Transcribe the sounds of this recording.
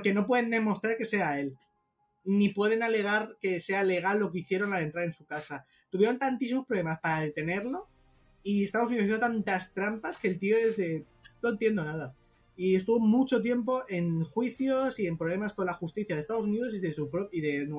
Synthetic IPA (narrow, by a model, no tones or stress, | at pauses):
ke̞no̞p̬we̞ðe̞nd̪e̞mo̞st̪ɾaɾke̞se̞ae̞l | nipwe̞ð̞e̞nale̞ɣ̞aɾke̞se̞ale̞ɣ̞alːo̞k̬eiθje̞ɾo̞nlaðe̞nt̪ɾaðaensukasa | t̪uβjeɾo̞nt̪ant̪is̬imo̞spɾole̞maspaɾaðe̞t̪e̞ne̞ɾlo̞ | ie̞st̪aðs̬uniðsijet̪ant̪ast̪ɾampaske̞lt̪io̞e̞zðe̞ | no̞nt̪je̞nd̪o̞naða | ie̞st̪uβo̞mut͡ʃo̞t̪̬je̞mp̬o̞ʔe̞ŋxwiθjo̞sie̞mpɾoβle̞masko̞nlaxust̪iθjaðest̪aðo̞suniðo̞siðesupɾoiðe̞n